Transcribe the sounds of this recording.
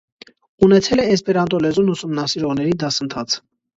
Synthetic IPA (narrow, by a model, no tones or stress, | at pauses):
unɛt͡sʰɛlɛɛspɛɾɑnt̪ɔlɛzunusumnɑsiɾɔʁnɛɾid̪ɑsənt̪ʰɑt͡sʰ